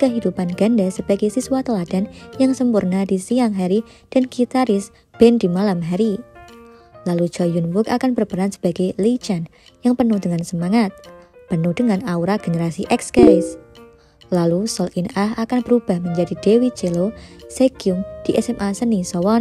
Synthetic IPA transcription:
kəɦidupanɡ̥andasəb̥aɡejsiswat̪əlad̥anjaŋsəmpurnadisiaŋɦaɾi | d̥anɡ̥it̪aɾɪs | b̥ɛndimalamɦaɾi | lalud͡ʒɔjunwʊkakanbərbəɾansə̥b̥aɡ̥ejlit͡ʃan | jaŋpənuhdəŋansəmaŋat̪̚pənuhd̥əŋanauɾaɡ̥enəɾasiʔɛkskɛɾɪs | lalusɔlʔinaɦakanbəɾub̥ahməɲd͡ʒadid̥ewit͡ʃeloseɡ̥iʊŋd̥iʔɛsɛmʔasənisɔwɔn

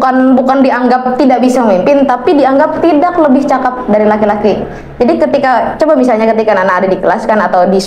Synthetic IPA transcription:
kanbukandiaŋɡap̚t̪idaʔbisaməmimpɪnt̪apidiaŋɡap̚t̪idak̚ləbɪht͡ʃakat̪̚daɾilakilaki | d͡ʒadikət̪ikat͡ʃobamisalɲakət̪ikananaadadikəlaskanat̪awdis

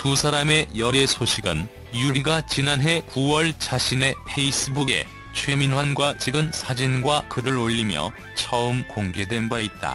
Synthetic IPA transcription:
tusʰaɾame̞jʌɾe̞sʰoɕʰiɡɯ̰n | juɾiɡat͡ɕinanɦe̞kuwʌɭt͡ɕaɕʰine̞pʰe̞is͈ʰɯbuɡe̞̰ | t͡ɕʰweminwanɡwat͡ɕiɡɯnsʰad͡ʑinɡwakɯɾɯɾoʎːimjʌ̰ | t͡ɕʰʌɯmkoŋɡe̞dwe̞nbait̚t͈a̰

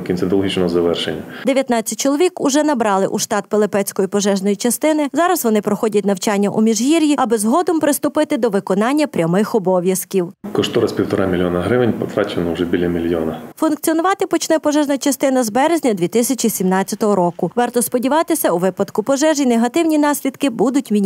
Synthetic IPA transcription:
kʲint͡sʲɐnt̪ɔlˠɦit͡ʃnɔɦɔzɐʋɛrʃenʲːɐd̪eʋʲjɐt̪nɑt͡sʲːɐt̚ʲt͡ʃɪlˠɔʋʲikʊʒɛnɐbɾɑlˠɪʔuʃt̪ɑt̪̚pelˠɪpɛt͡sʲkɔjipɔʒɛʒnɔjit͡ʃɐst̪ɪnɪzɑɾɐzʋɔnɪpɾɔxɔdʲɐtʲnɐwt͡ʃɑnʲːɐʔumʲiʒɦiɾʲjiɐbɪzɦɔd̪ɔmpɾɪst̪ʊpɪt̪ɪd̪ɔʋɪkɔnɑnʲːɐpɾʲɐmɪxɔbɔʋʲjɐskʲiwkɔʃt̪ɔɾɐspʲiwt̪ɔɾɑmʲilʲjɔnɐɦɾɪʋɪnʲpɔ̰t̪ɾɑt͡ʃenɔʊʒɛbʲilʲɐmʲilʲjɔnɐfʊnk̚t̪t͡sʲiɔnʊʋɑt̪ɪpɔt͡ʃnɛpɔʒɛʒnɐt͡ʃɐst̪ɪnɐzbɛɾezʲnʲɐd̪ʲʋʲit̪ɪsʲɐt͡ʃisʲimnɑt͡sʲɐt̪ɔɦɔɾɔkʊʋɑrt̪ɔspɔdʲiʋɑt̪ɪsʲɐuʋɪpɐd̪kʊpɔʒɛʒineɦɐt̪ɪwnʲinɑsʲlʲid̪kɪbud̪ʊtʲmʲi

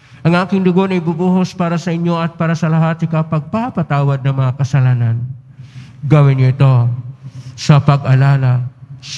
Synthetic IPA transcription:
ʔɐŋʔaːkɪŋd̪ʊɡonɐjbubuːɦospaːɾɐsɐʔɪɲjo̞ɐt̪̚paːɾɐsɐlɐɦaːt̪ɪkɐpɐɡ̚papɐt̪aːwɐd̪̚nɐŋmɐŋakɐsɐlaːnɐn | ɡɐwɪnɲoʔɪt̪o̞ | sɐpɐɡɐlaːlɐs

